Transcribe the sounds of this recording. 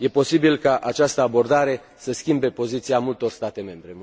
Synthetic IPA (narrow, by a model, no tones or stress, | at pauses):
je̞po̞sibilkaʔat͡ʃast̪əabo̞rd̪aɾe̞ | səskʲimbe̞po̞zit̪siamult̪o̞rst̪at̪e̞me̞mbɾe̞